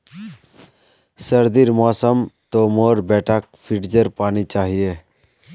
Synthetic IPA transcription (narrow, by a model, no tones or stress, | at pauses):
səɾd̪iɾmɔːsəmt̪omoːɾbɛːʈak̚pʰɪʈd͡ʒəɾpaːnit͡ʃaːɦije